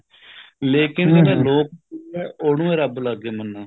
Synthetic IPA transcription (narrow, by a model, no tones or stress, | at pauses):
leːkɪnedaːloːk̚iɛːʔoːɽũːẽːɾəblaɡːeːmənːãː